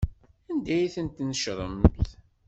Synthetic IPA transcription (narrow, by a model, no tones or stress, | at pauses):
ænd̪æjiθənt̪nəʃɾˤə̰mθ